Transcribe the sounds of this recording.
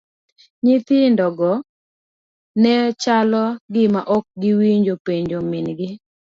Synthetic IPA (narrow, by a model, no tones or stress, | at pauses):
ɲɪt̪ɪndɔɡɔ | nɛt͡ʃalɔɡɪmaʔɔk̚ɡɪwiɲd͡ʒopeɲd͡ʒomɪnɡɪ